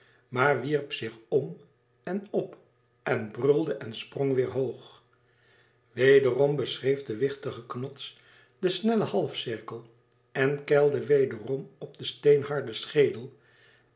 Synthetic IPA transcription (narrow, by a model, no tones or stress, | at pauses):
maːɹʋiɹpsɪχɔm | ɛnɔp | ɛnbrɵlˠdəʔɛnsprɔŋʋɪːɹɦowχ | ʋejdərɔmbəsrejfdəʋɪχtəχəknɔts | dəsnɛləhɑlˠfsɪɹkəlˠ | ɛnkɛlˠdəʋejdərɔmɔb̚dəstejnɦɑɹdəsχejdəlˠ